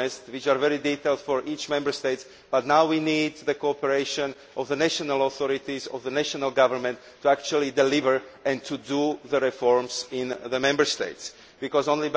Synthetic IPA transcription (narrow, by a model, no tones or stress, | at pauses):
ɛstwɪt͡ʃaːɹvɛɹidit̪elt̪fɔɹʔiːt͡ʃmɛ̃mbəɹst̪eɪts | b̥at̪naʊwiniːd̪ðəkoɔpɛɹeɪʃɔ̃n | ɔvðənɛʃɔnalɔθɔɹɪt̪izɔ̰vðənɛʃɔnalɡavəɹmɛ̃ntʰːuakt͡ʃuəlidɛlɪvəɹɛ̃nt̪ʰuduðəɹɛfɔɹmsɪ̃nðəmɛ̃mbəɹst̪ḛɪts | b̥ikɔzõnli